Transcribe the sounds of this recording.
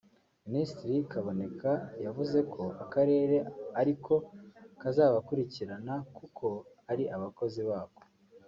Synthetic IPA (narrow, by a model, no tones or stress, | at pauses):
ministɾikaβo̞ne̞kʰajavuze̞kʰo̞akaɾe̞ːɾe̞aɾikʰo̞kazaːβakuɾiciɾanakukʰo̞ | aɾiʔaβako̞ziβaːko